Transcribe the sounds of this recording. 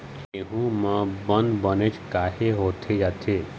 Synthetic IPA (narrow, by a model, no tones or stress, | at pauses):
eɦũmãbə̃nd̪bənet͡ʃkaːɦeɦoːt̪ʰed͡ʒaːt̪ʰeː